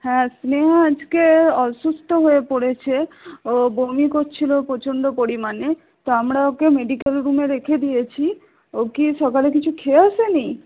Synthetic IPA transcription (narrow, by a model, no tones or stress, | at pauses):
hɛ̃sneɦaad͡ʑkeɔʃust̪ʰoɦoepoɽet͡ɕʰeobomikoɾt͡ɕʰilopɾot͡ɕʰoɳɖopoɾimane | t̪oamɾaokemeɖikelɾumeɾekʰed̪ijet͡ɕʰi | okiʃɔkalekit͡ɕʰukʰeaʃeni